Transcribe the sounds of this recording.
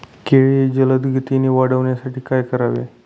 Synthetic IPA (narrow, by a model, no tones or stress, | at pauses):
keɭied͡ʑələd̪ɡʱit̪iniːʋaɽəʋɳjasaʈiːkajkəɾaʋḛ